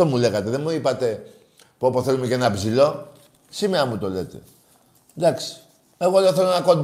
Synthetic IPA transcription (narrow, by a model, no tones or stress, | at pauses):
omule̞ɣɐt̪e̞ðe̞nmuipɐt̪e̞ | puapoθe̞lumeceenɐpzilo̞ | simeɾɐmut̪o̞le̞t̪e̞̰ | d̪ɐksi̥ | e̞ɣo̞leoθe̞lonɐkond̪